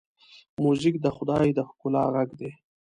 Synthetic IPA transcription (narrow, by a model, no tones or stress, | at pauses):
muzɪkd̪əxʊd̪ɑjd̪əhʊkʊlɑ̰ɣaɡd̪e